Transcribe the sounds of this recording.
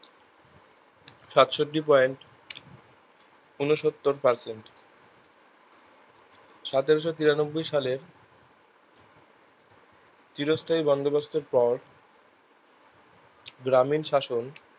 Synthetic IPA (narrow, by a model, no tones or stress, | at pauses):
ʃat̪ʃoʈːipɔeɳʈ | unoʃot̪ːoɾpaɾseɳʈ | ʃat̪eɾoʃot̪iɾanobːojʃaleɾ | t͡ɕ̪iɾost̪ʰaibɔnd̪obasʰt̪eɾpɔɾ | ɡɾaminʃaʃon